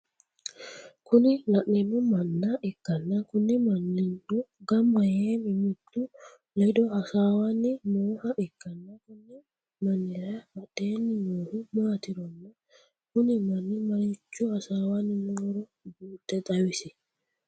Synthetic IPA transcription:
kʰuninaɗɛnumanːaʔɛkːanːakunːimanːinduɡambajemimutːu | lɛdɔasawanimɔhaʔɛkːanːakunːi | manːiɾamaɗɛnimohumaːtiɾɔnːa | kunimanːimaɾit͡ʃːuasawaninɔɾɔbuːtːɛtawisi

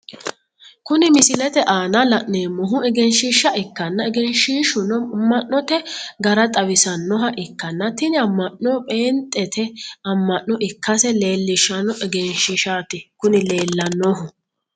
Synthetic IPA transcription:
kʊnɪmɪsɪlɛt̪ɛʔaːnɐlɐʔneːmːɔɦʊɛɡɛnʃɪʃːɐɛkːɐnːɐɛɡɛnʃiːʃʊnɔmːɐʔːɔt̪ɛɡɐɾɐt̪ʼɐwɪsɐnːɔɦɐʔɪkːɐnːɐt̪ɪnɪɐmːɐʔnɔpʼeːnt̪ʼːɛt̪ʰɛɐmːɐʔnːɔʔɪkːɐsɛle̞ːlːɪʃɐnɔʔɛɡɛnʃɪʃaːt̪ɪkʊnɪle̞ːlːɐnːɔɦʊ

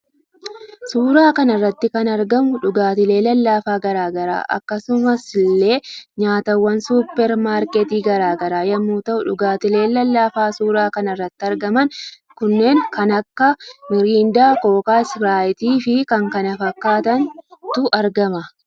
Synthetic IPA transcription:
suːɾaːkɐnɐrːɐt̪ːɪkɐnɐɾɡɐmʊᶑʊɡaːt̪ɪle̞ːlɐlːaːfaːɡɐɾaːɡɐɾa̰ːʔɐ̰kːɐsʊmɐslːeːɲaːt̪ɐwːɐnsuːpːɛɾmaːɾkɛt̪iːɡɐɾaːɡɐɾaːjɐmːuːt̪ɐʔʊᶑʊɡaːt̪ɪle̞ːlɐlːaːfaːsuːɾaːkɐnɐrːɐt̪ːɪɐɾɡɐmɐn | kʊnːe̞ːŋkɐnɐkːɐmɪɾiːnd̪aːkoːkaːɪsɾaːɪt̪iːfɪkɐŋkɐnɐfɐkːaːt̪ɐnt̪ʊʔɐɾɡɐmɐ

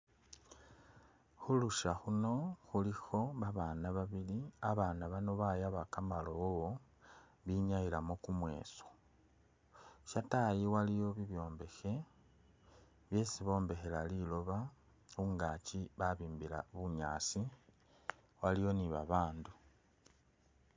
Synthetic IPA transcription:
xuluʃaxuno̞xulixo̞βaβaːnaβaβiliaβaːnaβano̞βajaβakamalo̞wo | βiɲajilamo̞kumwe̞̰ːso̥ | ʃatajiwalijo̞βiβjo̞ːmbe̞xe̞ | βjeːsiβo̞ːmbe̞xe̞lalilo̞βa | xuŋɡaciβaβiːmbila̰βuɲaːsi | walijo̞niβa̰βaːndu

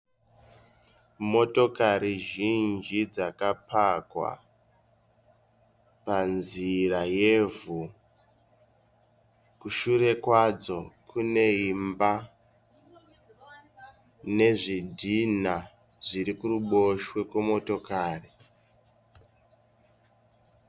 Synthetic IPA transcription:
mo̞to̞kaɾiʒind͡ʒid͡zakapʰakwa̰ | panziraje̞vu | kuʃuɾe̞kwad͡zo̞kʰune̞imba | ne̞ʐidʱina | ʐiɾikuruɓo̞ʃwe̞kwemo̞to̞kaːri

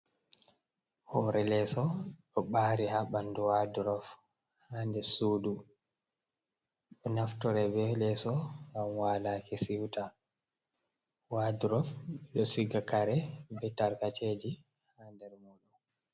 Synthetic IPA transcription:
hɔɾɛlɛsɔɗɔɓaːɾihaɓanduwaduɾɔf | haːndɛsuːdu | ɗɔnaftɔɾɛbɛlɛsɔɡamwalakɛsiwta | waduɾɔfɓɛɗɔsiɡakaɾɛbɛtaɾkat͡ʃed͡ʒi | handɛɾmɔɗɔ

